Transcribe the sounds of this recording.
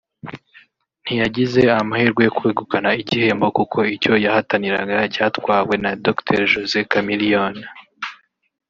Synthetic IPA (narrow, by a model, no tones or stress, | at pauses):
n̥ijaɟize̞amahiːɾɡwejokweːɡukanaiɟihe̞ːmbo̞kukʰo̞ico̞jahataniɾaɡacaːtkwaːwe̞nadoktʰḛɾʒozekamilion